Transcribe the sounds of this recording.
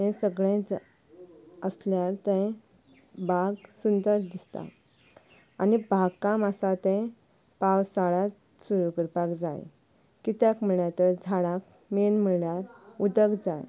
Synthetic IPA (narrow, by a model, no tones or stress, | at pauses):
ɛ̃səɡɭẽd͡z | əsljaɾt̪ɛ̃ | baɡsund̪əɾd̪ist̪a̰ | anibʱaɡkamasat̪ɛ̃ | pawsaɭat̪ | suɾukəɾpakd͡za̰j | kit̪jakm̤əɭjat̪əɾd͡zʱaɽãk̚ | menm̤əɭljaɾud̪əɡd͡zaj